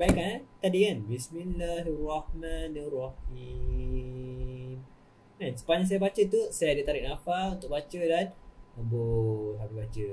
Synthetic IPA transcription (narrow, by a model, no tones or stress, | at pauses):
baikanat̪adiŋanbisminlaɦirɔhmãnirɔhi | m | ansə̥paɲãs̬ajabat͡ʃət̪usajadit̪aɾiʔ̚nafalunt̪ʊʔ̚bat͡ʃədanaboɦabibat͡ʃə